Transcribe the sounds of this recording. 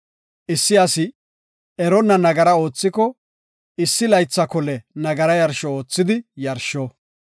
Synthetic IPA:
ʔɪsːɪɐsɪ | ɛɾɔnːɐnɐɡɐɾɐo̞ːt͡sːɪkɔ | ɪsːɪlɐjt͡sːɐkɔlɛnɐɡɐɾɐjɐɾʃɔo̞ːt͡sːɪd̪ɪjɐɾʃɔ

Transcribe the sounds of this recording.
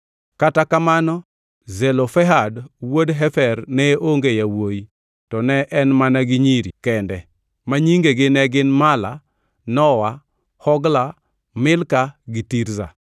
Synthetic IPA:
katakamanɔ | zɛlofɛɦadwodɦɛfɛɾnɛoŋɡejawoji | tɔnɛʔɛnmanaɡɪɲiɾikɛndɛ | maɲiŋɡeɡɪnɛɡɪnmala̰ | nɔwa | hɔɡla | mɪlkaɡɪtiɾza̰

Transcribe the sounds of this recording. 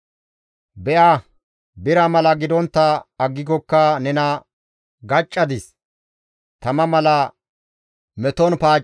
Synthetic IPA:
bɛʔa | bɪɾɐmɐlɐɡɪd̪ɔnt̪ːɐːɡːɪɡɔkːɐnɛnɐ | ɡɐt͡ʃʼːɐd̪ɪs | t̪ɐmɐmɐlɐ | mɛt̪ɔnpaː

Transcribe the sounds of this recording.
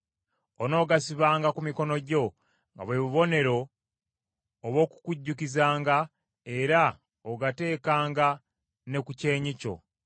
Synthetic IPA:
ono̞ːɡasiβaːŋɡakumiko̞no̞ɟo̞ | ŋɡa̰βweːβuβo̞ne̞ɾo̞ | βo̞ːku̥kuɟːukizaːŋɡa | e̞ɾa | oɡate̞ːkaːŋɡa | ne̞kuce̞ːɲico̞̰

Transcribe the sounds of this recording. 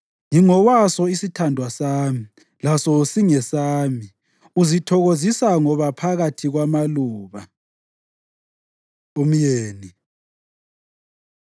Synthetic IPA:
ŋiŋɔwasɔisitʰandʱwasaːmi | lasɔsiŋɛsaːmi | uzitʰɔɣozisaŋɔβapʰaɣatʰiɣwamaluːβa | um̩jeːni

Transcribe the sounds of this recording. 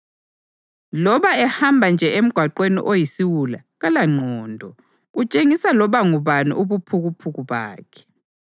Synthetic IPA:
lɔβaɛhambʱand͡ʒʱɛʔem̩ɡ̥ʱwaǃwenḭʔojisiwula̰ | ɣalaŋ͡ǀʱɔːndʱɔ | ɣut͡ʃʼeŋisalɔβaŋuβanṵʔuβupʰuɣupʰuɣuβa̰ːkʰɛ̥

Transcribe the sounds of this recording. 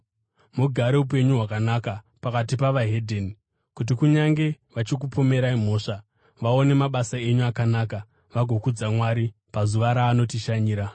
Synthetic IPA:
muɡʱaɾe̞up̬e̞ɲuɦwakanaka | pakat̬ipaʋaɦedʱeni | kut̬ikuɲaŋɡe̞ | ʋat͡ʃik̬upome̞ɾaim̤o̞ːʂa | ʋao̞ne̞maɓasae̞ɲuakanaːka | ʋaɡʱo̞kud͡zamwaɾi | pazuʋaɾaːno̞tiʃaɲiːɾa

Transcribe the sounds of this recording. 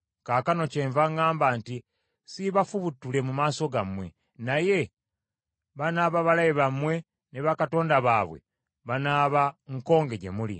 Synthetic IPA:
kakano̞ceːɱvaŋaːmbanti | siβafuβutːule̞mumaːso̞ɡamwe̞̰ | naje̞ | βanaːβaβalajeβamwe̞ | neβakato̞ːndaβaβwḛ | βanaːβaŋko̞ːŋɡe̞ɟe̞̰mulḭ

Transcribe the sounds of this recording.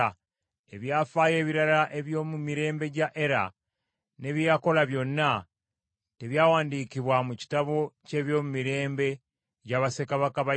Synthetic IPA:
a | eβjaːfaːje̞ːβiɾalaʔe̞βjo̞ːmumiɾe̞ːmbe̞ɟaʔe̞ɾa̰ | ne̞βjako̞laβjo̞nina | teβjaːwaːndiːkiβwamuci̥taβo̞ce̞ːβjo̞ːmumiɾe̞ːmbe̞ | ɟaβase̞kaβakaβa

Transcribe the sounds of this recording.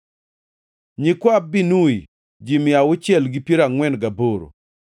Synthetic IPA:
ɲikwabinui | d͡ʒimɪawʊt͡ʃjɛlɡipjeɾaŋwɛnɡaboɾo̰

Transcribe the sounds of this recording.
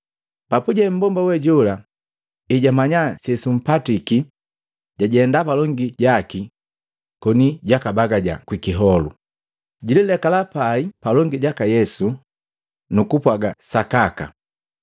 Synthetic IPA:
papuɟɛm̩bɔmbawɛɟɔla | iɟamaɲasɛsum̩patiki | ɟ̥aɟɛndapalɔŋɡiɟaki | kɔniɟakabaɡaɟa̰kwikiɦɔlṵ | ɟililɛkalapaipalɔŋɡiɟakajɛsu | nukupwaɡasakaka̰

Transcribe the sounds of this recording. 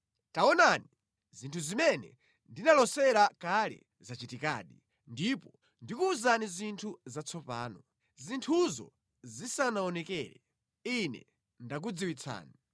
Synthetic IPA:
taɔnani | zintʰuzimɛnɛ̰ | ndinalɔsɛɾakalɛ̰ | zat͡ʃitika̰ːɗi | ndipɔ | ndikuːzanizintʰuzat͡sʰɔpa̰ːnɔ | zintʰuzɔ̰ | zisanaɔnɛkɛːɾɛ | inɛ̰ | ndak̬ud͡ziwit͡sʰa̰ːni

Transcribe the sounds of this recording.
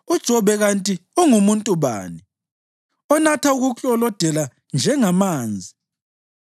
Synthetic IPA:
ud̥ʒ̥ʱɔβɛɣantʼiuŋumuntʼuβa̰ːni | ɔnatʰauɣut͡ɬʼɔlɔd̥ʱɛla | nd͡ʒʱɛŋamaːnd͡zʱi

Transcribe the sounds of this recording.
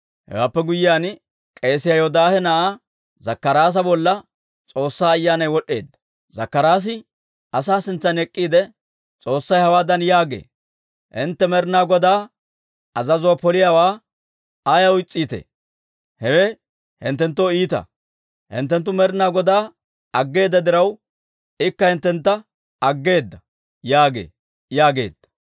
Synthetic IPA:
hɛ̰waːpːɛɡʊjɪjaːn | kʼe̞ːsɪjajɔd̪aːhɛnɐʔa | zɐkːɐɾaːs̬ɐbɔlːɐ | t͡sʼo̞ːsːaːjːaːnɐjwɔɗːe̞ːd̪ɐ | zɐ̰kːɐɾaːs̬ɪ | ʔɐsaːsɪnt͡sːɐnɛkʼːiːd̪ɛ | t͡sʼo̞ːsːɐjhɐwaːd̪ɐnjaːɡḛː | ʔɪ̰nt̪ːɛmɛɾnaːɡɔd̪aː | ʔɐzɐzʊwapɔlɪjaːwaː | ajɐʊjt͡sʼːiːt̪ḛː | hɛwɛ | hɪ̰nt̪ːɛnt̪̬ːoiːt̪ɐ̰ | hɪ̰nt̪ːɛnt̪̬ːʊmɛɾnaːɡɔd̪aː | ɐɡːe̞ːd̪ːɐd̪ɪɾɐw | ɪkːɐhɪnt̪ːɛnt̪ːɐ | ɐɡːe̞ːd̪ːɐ | jaːɡe̞̰ː | jaːɡe̞̰ːd̪̥ːɐ̥

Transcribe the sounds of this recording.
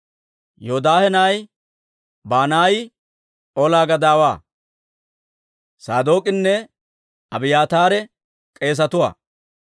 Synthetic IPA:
jod̪aːhɛnaːj | baːnaːjɪ | ʔolaːɡɐd̪aːwaː | saːd̪o̞ːkʼɪnːɛ | ɐbɪjaːt̪aːɾɛ | kʼe̞ːs̬ɐt̪ʊwa̰ː

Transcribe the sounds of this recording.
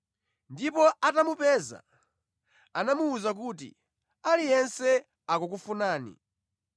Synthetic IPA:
ndipɔʔatamupɛːza̰ | anamuːzak̬uːt̬ḭ | alijɛnsɛ | akuk̬ufunaːnḭ

